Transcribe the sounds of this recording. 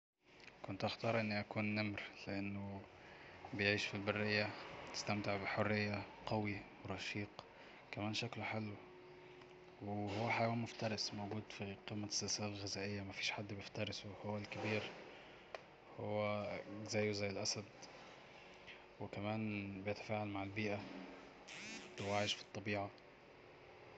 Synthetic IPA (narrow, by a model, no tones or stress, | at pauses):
kont̪ʔæxt̪ɑːɾˤʔenːiʔækuːnːæmɾleʔenːo | bejʕiːʃfilbarːejːæt̪ɪ̥st̪æmt̪eʕbɪħorːejːaqɑwiweɾˤɑʃiːq | kæmæːnʃækloħalː | wehowːæħajwæːnmoft̪ɑɾˤɑsmowɡuːd̪fiqimːæsːɪlsæːlalɣɪzæːʔɪjːæmæfiːʃħad̪ːbjɪft̪ɑɾˤɪsohowːælkɪbiːɾ | howːæzæjːzæjːɪlʔæsæd̪ | wɪkæmæːnbɪjet̪æ̥faːʕalmaʕalbiːʔæ | tɪwaʕɪʃfi̥t̪ˤːɑbiːʕa